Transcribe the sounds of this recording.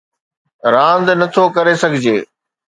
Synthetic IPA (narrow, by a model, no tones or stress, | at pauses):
ɾãːnd̪nɐt̪ʰokɐɾesɐɡʱɪd͡ʑeː